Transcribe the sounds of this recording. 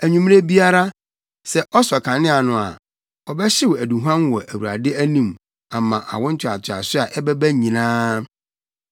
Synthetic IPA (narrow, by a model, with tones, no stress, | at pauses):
æ˨ɲũ˦m̃˦ɾe˦bi˦a˦ɾa˦ | sɛ˨ʔɔ˦sɔ˨kʰã˨nɪ̃˦a˨nʊ̃˨a̰˨ | ɔ˨bɛ˦ɕɪ˦wæ˨dũ˨ɦu˦ã˦nwɔ˨ʔæ˨wu˨ɾa̰˨dɪ˦æ˦nĩ˦˨m | a˨mã˨ʔa̰˨wɔ̃˦n̩˦t͡ɕʰᶣa˨tʰɪ˨a̰˨sʊ˦a˨ʔɛ˦bɛ˦bæ˦ɲĩ˨nãː˦